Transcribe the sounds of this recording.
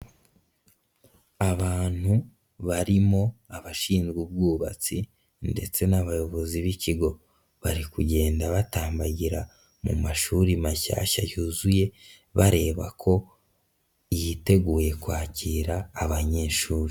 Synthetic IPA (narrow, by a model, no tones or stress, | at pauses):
aβaːn̥hu | βaɾimo̞aβaʃiːnzɡubɡuːβa̰t͡si | nde̞t͡se̞naβajo̞βo̞ziβiciɡo̞ | βaɾikuɟe̞ːndaβataːmbaɟiɾa | mṵmaʃuːɾimaça̰ʃajuzuje̞ | βaɾe̞ːβa̰kʰo̞ | jite̞ɡuːje̞kwaːciːɾaːβaɲe̞ːʃuːɾi